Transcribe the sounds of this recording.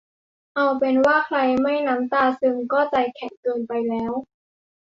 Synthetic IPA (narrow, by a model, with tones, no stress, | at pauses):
ʔa˧wpe˧nwaː˥˩kʰla˧jma˥˩jna˦˥mt̪aː˧˩sɯ˧ŋkɔː˥˩t͡ɕa˧˩jkʰɛ˨˩ŋkɤː˧npa˧jlɛː˦˥w